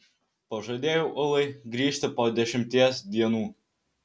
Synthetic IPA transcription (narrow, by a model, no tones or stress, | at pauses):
pɐʒɐd̪ʲeːjoʊʔʊlˠɐɪɡɾʲiːʃʲt̪ʲɪpoːd̪ʲɛʃʲɪmʲt̪ʲiɛsd̪ʲiɛnuː